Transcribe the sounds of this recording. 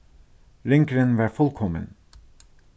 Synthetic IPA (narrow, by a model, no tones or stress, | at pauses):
ɾɪŋkɾənʋæːfɔlkʰɔmə̰n